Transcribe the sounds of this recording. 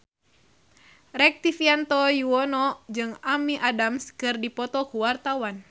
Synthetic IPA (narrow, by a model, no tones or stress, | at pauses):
rɛk̚t̪ifiant̪ɔjuɔnɔd͡ʒɨŋamiʔadamskɨrdipɔt̪ɔkuwart̪awan